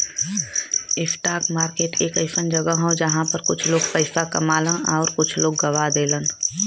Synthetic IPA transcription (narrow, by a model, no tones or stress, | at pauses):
ɪfʈaːkmaːɾkeːʈʰeːkəɪsənd͡ʒəɡəɦod͡ʒɐɦãpəɾkʊt͡ʃʰloːɡpəɪsakɐ̰maːlə̃nɔːɾkʊt͡ʃʰloːɡːɐʋad̪eːlən